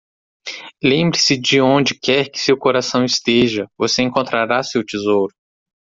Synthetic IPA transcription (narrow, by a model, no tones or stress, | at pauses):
lẽmbɾɪsɪd͡ʒɪõd͡ʒɪkɛɾkɪ̥sewkoɾasɐ̃w̃ist̪eʒɐvoseẽŋkõnt̪ɾaɾasewt͡ʃizowɾʊ